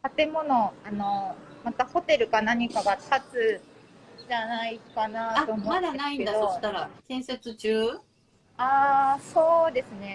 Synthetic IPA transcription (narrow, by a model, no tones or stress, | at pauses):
t̪at̪e̞mo̞no̞ano̞mat̪aho̞t̪e̞ɾɯ̟kanaɲ̟ikaɡat̪at͡sɨ | d͡ʑanaikanat̪o̞ːmomad̪aeaĩned̪ad̪ooɕi̥t̪aɾat̪ẽ̞ɰ̃set͡sɨt͡ɕɨː | aːso̞ːd̪e̞sɨne̞